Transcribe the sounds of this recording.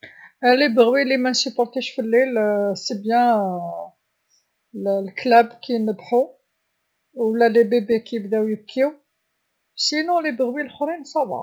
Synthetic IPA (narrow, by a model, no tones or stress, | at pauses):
lebəɣwilimænsypɔɾt̪eʃfilːilsebjæ̃ | llklæbkʰinəbħu | wlːælebebekijəbd̪æwjəkʰːiw | sinɔ̃lebəɣwilxɾinsɑbɑ̰